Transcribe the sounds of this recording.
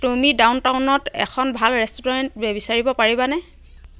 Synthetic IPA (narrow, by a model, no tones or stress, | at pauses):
tumidawntawnɔtɛ̰kʰɔnbʱalɹɛstɔɹɔntbebisaɹibɔpaɹibanɛ